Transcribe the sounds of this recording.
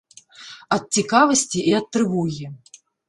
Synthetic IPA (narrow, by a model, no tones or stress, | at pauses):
ɐt̪̚t͡sʲikavɐsʲt͡sʲiʔiɐt̪ːɾɨvuɣʲi